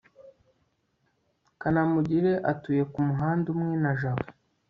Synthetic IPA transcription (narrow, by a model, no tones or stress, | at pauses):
kanamuɟiɾe̞ʔatuje̞kumuɦaːndumŋe̞naʒaβo